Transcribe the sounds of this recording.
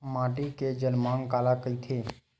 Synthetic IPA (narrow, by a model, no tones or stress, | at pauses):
mãʈiked͡ʒənmãŋkaːlakəit̪ʰe